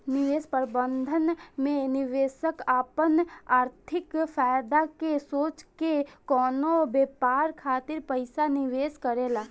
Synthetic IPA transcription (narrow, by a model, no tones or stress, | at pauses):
nɪʋeːspəɾbə̃nd̪ʱənmẽnɪʋeːsəkaːpənaːɾt̪ʰɪkfaːjd̪akesoːt͡ʃkekɔːnobeːpaːɾkʰaːt̪ɪɾpəɪsanɪʋeːskəɾeːlaː